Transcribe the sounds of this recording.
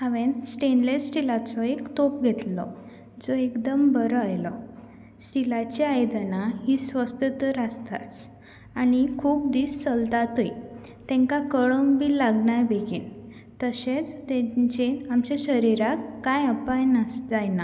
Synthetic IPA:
hãʋẽnsʈenlesʈilat͡sɔekt̪opɡʱet̪lɔ | d͡zɔekd̪əmbəɾɔajlɔ | silat͡ɕeajd̪ənaɦiːsʋəst̪ət̪əɾast̪a̰t͡s | anikʰuːp̚d̪iːst͡səlt̪at̪uj | t̪ɛ̃ŋkakəɭɔmbiːlaɡɳajbeɡiːn | t̪əɕet͡st̪ẽt͡ɕeamt͡ɕeɕəɾiɾakːajapajnad͡zajna

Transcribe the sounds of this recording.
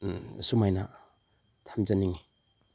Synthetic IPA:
sumajnɐ | tʰamzɐniŋi

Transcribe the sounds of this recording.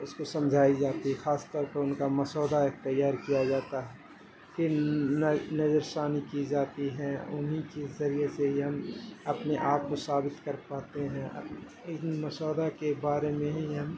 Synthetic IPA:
ʊskosɐ̃md͡ʒʱaːid͡ʒaːt̪iɦixaːst̪ɔːɾpɐɾʊnkamɐsɔːd̪aek̚t̪ɐjːaːɾkijad͡ʒaːt̪aɦɛ | kinnɐd͡ʒəɾsaːnikid͡ʒaːt̪iɦɛ̃ʊ̰nɦikizɐɾieseɦɦɐmɐpneʔaːp̚kosaːbɪt̪kɐɾpaːt̪eɦɛ̃ɐ̰ | mɐsɔːd̪akebaːɾemẽɦiɦɐm

